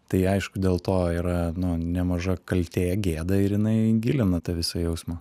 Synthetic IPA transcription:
t̪ɐɪɐɪʃkʊd̪ʲeːlˠt̪oːiːɾɐnʊnʲɛmɐʒɐkɐlʲt̪ʲeːɡʲeːd̪ɐɪɾjɪnɐɪɡʲɪlʲɪnɐt̪ɐʋʲɪsɐjɛʊsmɐː

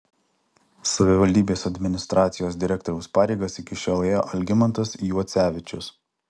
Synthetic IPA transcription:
sɐʋʲɪʋɐlʲd̪ʲiːbʲeːsɐd̪ʲmʲɪnʲɪst̪ɾʔɑːt̪sʲɪjoːs̬d̪ʲɪɾʲɛkt̪ɔːɾʲɛʊspɑːɾʲɛɪɡɐsɪkʲɪʃʲoːlˠeːjoːʔɐlʲɡʲɪmɐnt̪ɐsjuɔt̪sʲæːʋʲɪt͡ʃʲʊs

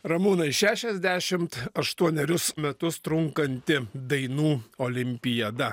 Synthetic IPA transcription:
ɾɐmunɐɪʃʲæːʃʲɛzʲd̪ʲæːʃʲɪmt̪ɐʃt̪uɔnʲɛɾʲʊsmʲɛt̪ʊst̪ɾʊŋkɐnʲt̪ʲɪd̪ɐɪnuːoːlʲɪmʲpʲɪjɐd̪ɐ

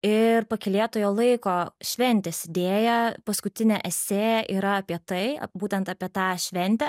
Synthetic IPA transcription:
ɪɾpɐkʲɪlʲeːt̪oːjoːlˠɐɪkoːʃʲʋʲɛnʲt̪ʲɛsʲɪd̪ʲeːjɛpɐskʊt̪ʲɪnʲɛʔɛsʲeːɛʔiːɾɐɐpʲiɛt̪ɐɪ̰buːt̪ʲɛnt̪ɑːpʲiɛt̪ɑːʃʲʋʲɛnʲt̪ʲɛ

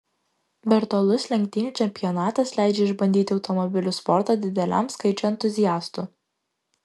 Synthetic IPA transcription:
bʲɛɾt̪oːlˠʊslʲɛŋʲk̚ʲt̪ʲɪnʲt͡ʃʲɛmʲpʲɪjɔnɑːt̪ɐslʲæˑɪd͡ʒʲɛɪʒbɐnʲd̪ʲiːt̪ʲɪɒʊt̪ɔmɔbʲɪlʲʊspɔɾt̪ɑd̪ʲɪd̪ʲɛlʲæ̰ˑmskɐɪt͡ʃʲɔɛnt̪ʊzʲɪjæːst̪uːˑ

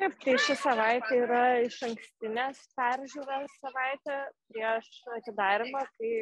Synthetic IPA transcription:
kɐɪpt̪ɐɪʃʲɪsɐʋɐɪt̪ʲɛiːɾɐɪʃɐŋksʲt̪ʲɪnʲeːspʲæɾʲʒʲuːɾɐssɐʋɐɪt̪ʲɛpʲɾʲiɛʃɐt̪ʲɪd̪ɑːɾʲɪmɑːkɐɪ

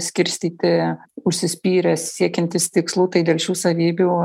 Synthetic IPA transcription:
sʲkʲɪɾʲsʲt̪ʲiːt̪ʲɪʊʃʲsʲɪsʲpʲiːɾʲɛssʲiɛkʲɛnʲt̪ʲɪst̪ʲɪkslˠuːt̪ɐɪd̪ʲeːlʲˠʃʲuːsɐʋʲiːbʲu

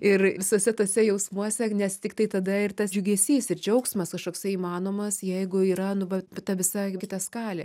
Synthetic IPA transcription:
ɪrʋʲɪsoːsʲɛt̪oːsʲɛjɛʊsmuɔsʲɛnʲɛst̪ʲɪk̚t̪ɐɪt̪ɐd̪ɐɪrt̪ɐsd͡ʒʲʊɡʲɛːsʲiːsɪrd͡ʒʲɛʊksmɐskɐʃkoːksʲɐiːmɑːnoːmɐsjɛɪɡʊiːɾɐnʊʋɐt̪ɐʋʲɪsɑkʲɪt̪ɐskɑːlʲḛ

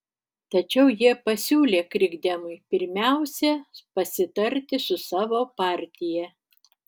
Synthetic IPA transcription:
t̪ɐt͡ʃʲɛʊjiɛpɐsʲuːlʲeːkɾʲɪɡd̪ʲɛmʊɪpʲɪɾʲmʲæˑʊsʲɛpɐsʲɪt̪ɐɾʲt̪ʲɪsʊsɑːʋoːpɑːɾʲt̪ʲɪjɛ

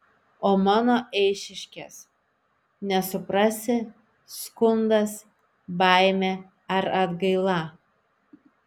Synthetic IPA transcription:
oːmɑːnoːʔɛɪʃʲɪʃʲkʲes | nʲɛsʊpɾɑsʲɪ | skʊnd̪ɐs | bɑˑɪmʲeː | ɐɾɐd̪ɡɐɪlˠɑˑ

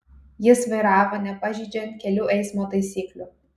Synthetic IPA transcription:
jɪsʋɐɪɾɑːʋoːnʲɛpɑʒʲiːd͡ʒʲɛnt̪̚ʲkʲɛlʲuːʔɛɪsmoːt̪ɐɪsʲiːklʲʊ

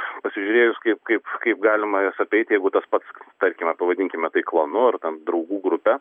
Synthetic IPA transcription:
pɐsʲɪʒʲʊɾʲeːjʊskɐɪpkɐɪpkɐɪpɡɑːlʲɪmɐjosɐpʲɛɪt̪jɛɪɡʊt̪ɐspɐt̪st̪ɐɾʲkʲɪmʲɛpɐʋɐdʲɪŋʲkʲɪmʲɛt̪ɐɪklˠɐnʊɐrt̪ʲɛnd̪ɾɐʊɡuːɡɾʊpʲɛ

